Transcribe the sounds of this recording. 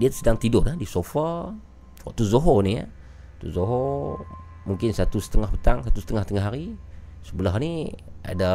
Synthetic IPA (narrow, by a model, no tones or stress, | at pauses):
diasədaŋt̪idʊrladisofə | wɔ̰ʔt̪uzoɦonija̰ | t̪uzoɦo | muŋkɪnsat̪usə̥t̪əŋahpət̪aŋsat̪usə̥t̪əŋahst̪əŋaɦaɾisəbulahnia̰da